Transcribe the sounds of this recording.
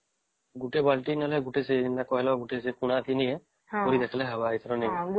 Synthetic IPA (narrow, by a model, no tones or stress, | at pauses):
ɡuʈebalʈinəlɛɡuʈesenakɔɦɛlɔɡuʈesekuɽ̃at̪ʰiniɦɛ | koɾid̪ekʰlɛɦəbait̪ʰɾɔni